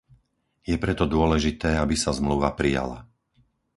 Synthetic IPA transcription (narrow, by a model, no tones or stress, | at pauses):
jɛpɾɛt̪ɔd̪ʊɔlɛʒit̪ɛːabisazmluʋapɾija̰la̰